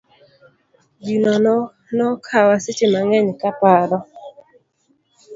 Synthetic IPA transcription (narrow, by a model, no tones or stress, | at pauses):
ɡinɔn | nɔkʰawasɪt͡ʃɪmaŋɛɲkapaɾɔ